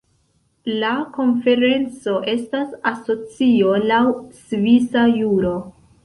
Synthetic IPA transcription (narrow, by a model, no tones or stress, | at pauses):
lako̞nfe̞ɾe̞nt͡so̞ʔe̞stasaso̞t͡siolawsvisajuɾo̞